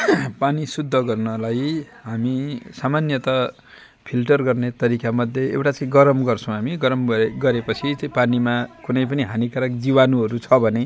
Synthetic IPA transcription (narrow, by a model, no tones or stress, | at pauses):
panisud̪ʱːʌɡʌrnʌlaj | ɦamisamanjʌt̪ʌ | pʰilʈʌrɡʌrnet̪ʌɾikamʌd̪ʱjeḛwʈat͡saĩɡʌɾʌmɡʌrt͡sʰʌ̃w̃ɦamiɡʌɾʌmʌɡʌɾepʌt͡sʰit͡saĩpanimakunʌjp̬ʌniɦanikaɾʌkd͡zibanuɦʌɾut͡sʰʌbʱʌne